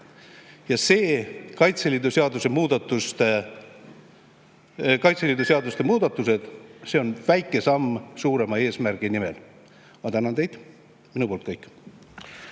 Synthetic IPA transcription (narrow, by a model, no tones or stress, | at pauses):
jɑse̞ːkɑjt̪selʲid̪useɑd̪̥use̞muːd̪̥ɑt̪ːust̪e | kɑjt̪selid̪useɑd̪ust̪e̞muːd̪̥ɑt̪ːˑuse̞d̪̥se̞o̞nvæjkːˑe̞sɑmːsuːɾe̞mɑe̞ːsmærɡ̥inimḛl | mɑt̪ænɑnt̪e̞jd̪̥ | minupolt̪̚kɤjkːˑ